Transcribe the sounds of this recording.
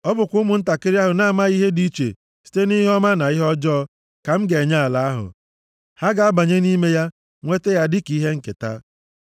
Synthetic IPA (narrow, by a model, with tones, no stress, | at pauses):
ɔ˦bʊ˨kʷʊ˦mʊ˨n̩˦ta˨kɪ˦ɾi˦a˦ɦʊ˨na˦a˨ma˦i˦ɦe˦di˦t͡ʃḛ˨ | si̥˨te˦ni˦ɦɔ˦ma˦na˨i˦ɦɔ˦d͡ʒɔː˦ | ka˨m̩˦ɡe˨ɲa˦a˨la˨a˦ɦʊ̰˨ | ha˦ɡa˨a˦ba˨ɲe˦ni˦me˦ja˦ | ŋʷe˦te˦ja˦dɪ˦ki˦ɦe˦ŋ̩˦˨kḛ˨ta̰˦